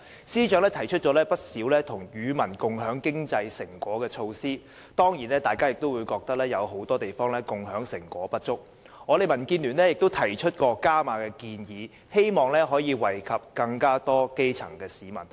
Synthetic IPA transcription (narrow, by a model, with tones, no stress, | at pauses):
siː˥t͡ʃœː˨˥ŋlɛː˥t̪ʰɐ˨˩jt͡ʃʰɵ˥t̚t͡ʃɔː˨˥lɛː˥pɐ˥t̚siː˨˥wlɛː˥t̪ʰʊ˨˩ŋjyː˨˧mɐ˨˩nkʊ˨ŋɦœː˨˥ŋkɪ˥ŋt͡sɐ˧jsɪ˨˩ŋkwɔː˨˥kɛː˧t͡ʃʰo˧wsiː˥ | t̪ɔː˥ŋjiː˨˩nlɛː˥t̪aː˨jkaː˥jɪ˨k̚t̪o˥wu˨˧jkɔː˧k̚t̪ɐ˥k̚lɛː˥jɐ˨˧wɦo˨˥wt̪ɔː˥t̪e˨jfɔː˥ŋlɛː˥kʊ˨ŋɦœː˨˥ŋsɪ˨˩ŋkʷɔ̰ː˨˥pɐ˥t̚t͡ʃʊ˥k̚ | ŋɔː˨˧ɾe˨jmɐ˨˩nkiː˧nlyː˨˩nɛː˥jɪ˨k̚t̪o˥wt̪ʰɐ˨˩jt͡ʃʰɵ˥t̚kɔː˧kaː˥maː˨˧kɛː˧kiː˧njiː˨˧ | he˥jmɔː˨˩ŋlɛː˥ɦɔː˨˥jiː˨˧wɐ˨˩jkʰɐ˨p̚kɐ˧ŋkaː˥t̪ɔː˥ke˥jt͡sʰɐ̰˨˩ŋkɛː˧siː˨mɐ˨˩n